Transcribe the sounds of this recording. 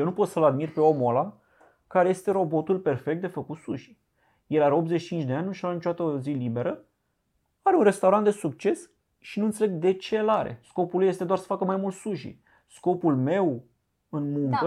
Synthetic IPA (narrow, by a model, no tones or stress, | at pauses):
ewnupo̞t̪səlad̪mirpe̞o̞molam | kaɾe̞je̞st̪e̞ɾo̞bo̞t̪ulpe̞rfe̞k̚t̪d̪e̞fəkut̪suʃi̥ | je̞laɾeopt̪zet͡ʃi̥t͡ʃint͡ʃd̪eanʲnuʃalnit͡ʃoat̪əzilibe̞ɾə | aɾeunre̞st̪awɾant̪d̪e̞suk̚t͡ʃe̞s | ʃinunt̪seleɡ̚d̪e̞t͡ʃelaɾḛsko̞pulujest̪eoarsə̥fakəmajmult̪suʃḭ | sko̞pulme̞w | ɨnmuŋkə